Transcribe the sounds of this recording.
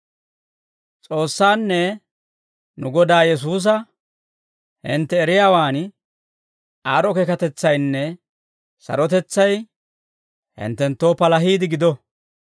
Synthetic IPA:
t͡sʼo̞ːsːaːnːɛ | nʊɡɔd̪aːjɛs̬uːs̬ɐ | hɪ̰nt̪ːɛːɾɪjaːwaːn | aːɾɔkɛkɐt̪ɛt͡sːɐjnːɛ | sɐ̰ɾɔt̪ɛt͡sːɐj | hɪ̰nt̪ːɛnt̪ːo̞ːpɐlɐɦiːd̪ɪɡɪd̪ɔ

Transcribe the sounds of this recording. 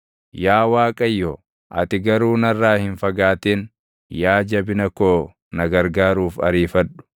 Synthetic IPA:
jaːwaːkʼɐjːo | ʔɐ̰t̪ɪɡɐɾuːnɐrːaːhɪnfɐɡaːt̪eːn | jaːd͡ʒɐbɪnɐkoː | nɐɡɐɾɡaːɾuːfɐ̰ɾiːfɐᶑʊ̥

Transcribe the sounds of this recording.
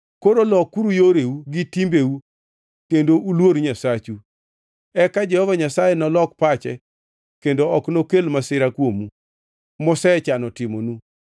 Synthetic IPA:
koɾolɔkːuɾujoɾeuɡɪtimbeu | kendoʔulwoɾɲasat͡ʃu | ɛkad͡ʒɛhɔvaɲasajɛnɔlɔk̚pat͡ʃɛ | kendoɔknokelmasɪɾakwomu | mɔsɛt͡ʃanɔtɪmonu

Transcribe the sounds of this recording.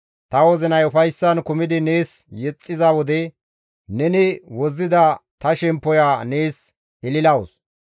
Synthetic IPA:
t̪ɐwɔzɪnɐjʊfɐjsːɐnkʊmɪd̪ɪneːsjɛt͡sʼːɪzawɔd̪ɛ | nɛnɪwɔzːɪd̪ɐt̪ɐʃɛmpːɔjaːneːs | ɪlɪlɐwʊs

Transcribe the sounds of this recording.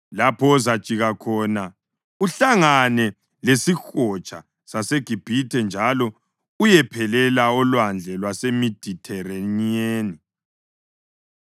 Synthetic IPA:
lapʰɔzḁt͡ʃʼiɣakʰɔna | uɬaŋanɛ | lesixɔt͡ʃʼa | saseɡ̥ʱib̥ʱitʰɛnd͡ʒʱalɔ | ujɛpʰɛlɛlaɔlwand͡ɮʱɛlwasemid̥ʱitʰɛranieːni

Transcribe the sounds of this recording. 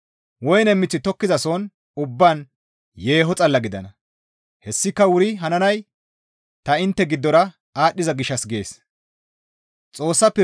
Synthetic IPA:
wɔjnɛmːɪt͡sːɪt̪ɔkːɪzɐsɔn | ʊbːan | je̞ːɦɔt͡sʼɐlːɐɡɪd̪ɐnɐ | hɛsːɪkːɐwʊɾɪɦɐnɐnɐj | t̪ɐɪnt̪ːɛɡɪd̪ːɔɾɐ | aːɗːɪzɐɡɪʃːɐsɡḛːs | t͡sʼo̞ːsːɐpːɛ

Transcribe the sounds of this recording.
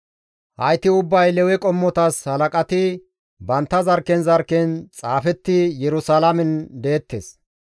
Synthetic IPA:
hɐjt̪ɪʊbːɐjlɛwɛkʼɔmːɔt̪ɐshɐlɐkʼɐt̪ɪ | bɐnt̪ːɐzɐɾkɛnzɐɾkːɛnt͡sʼaːfɛt̪ːɪjɛɾʊsalɐmɛnd̪e̞ːt̪ːes

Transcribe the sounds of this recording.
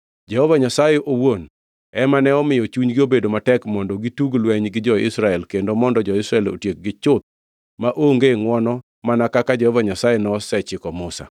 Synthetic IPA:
d͡ʒɛhɔvaɲasajeʔowon | ɛmanɛɔmɪjɔt͡ʃuɲɡɪobedomatɛkmɔndɔɡituɡlwɛɲɡɪd͡ʒɔɪsɾaɛlkendomɔndɔd͡ʒɔɪsɾaɛlo̰tjek̚ɡɪt͡ʃʊt̪̚ | maʔoŋɡeŋwɔnɔ | manakakad͡ʒɛhɔvaɲasajenɛɔsɛt͡ʃɪkɔmʊsa̰

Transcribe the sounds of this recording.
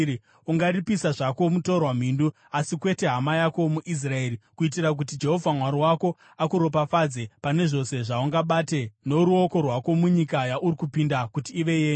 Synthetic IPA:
uŋɡaripisaʐako̞muto̞rwam̤iːndu | asikwe̞te̞ɦamajako̞muʔis̬rae̞ːrikuit̬iɾak̬ut̬id͡ʒe̞ɦo̞vʱamwaɾiwako̞ | akuɾo̞pafad͡ze̞pane̞ʐo̞se̞ʐauŋɡaɓate̞noɾuo̞ko̞rwako̞muɲikajaʔuɾikupindakutiːʋe̞jeːɲ

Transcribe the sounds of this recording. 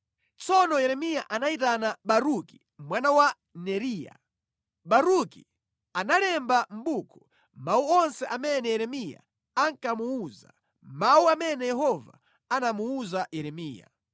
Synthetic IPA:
t͡sɔnɔjɛɾɛmijaʔanaitanaɓaɾuki̥ | mwanawa | nɛɾiːja̰ | ɓaɾuki | analɛmbam̩bukʰɔ̥ | mauɔnsɛʔamɛnɛjɛɾɛmija̰ | aŋkamuuza̰ | mauamɛnɛjɛɦɔva̰ | anamuuzajɛɾɛmiːja̰

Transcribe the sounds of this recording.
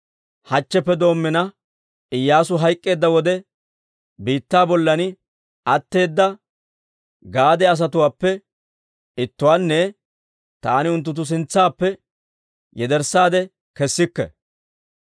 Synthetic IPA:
hɐt͡ʃːɛpːɛd̪o̞ːmːɛnɐ | ɪjːaːsʊɦɐjkʼːe̞ːd̪ːɐwɔd̪ɛ | biːt̪ːaːbɔlːɐnɪ | ʔɐt̪ːe̞ːd̪ːɐ | ɡaːd̪ɛɐs̬ɐt̪ʊwaːpːɛ | ɪt̪ːʊwaːnːɛ | t̪aːnɪʊnt̪ːʊt̪̬ːʊs̬ɪnt͡sːaːpːɛ | jɛd̪ɛɾsːaːd̪ɛ | kɛsːɪkːɛ̰

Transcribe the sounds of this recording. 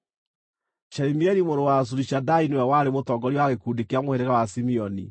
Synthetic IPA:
ʃɛɾimiɛɾimoɾowas̬uɾiɕadainwɛwaɾemotɔːɡɔɾiwaɣekuːdekeamoheɾeɣawasimiɔnḭ

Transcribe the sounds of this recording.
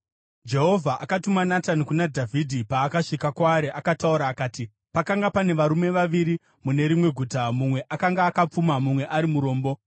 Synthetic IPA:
d͡ʒe̞ɦo̞vʱaʔakatumanatanikunadʱavʱidʱipaːkaʃikakwaːɾeʔakatauɾaːkaːti | pakaŋɡapane̞ʋaɾume̞ʋaʋiɾi | mune̞ɾimwe̞ɡʱuːtamumwe̞ʔakaŋɡaːkap͡fumamumwe̞ʔaɾimuɾo̞ːmbo̞

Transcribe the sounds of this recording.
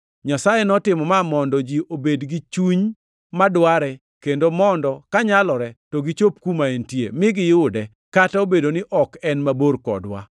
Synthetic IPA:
ɲasajenɔtɪmɔmamɔndɔd͡ʒiʔobedɡit͡ʃuɲ | madwaɾɛ | kendomɔndɔkaɲalɔɾɛtɔɡit͡ʃop̚kumaentjḛmɪɡɪjʊdɛ | kataobedonɪʔɔkɛnmaborkɔ̰dwa̰

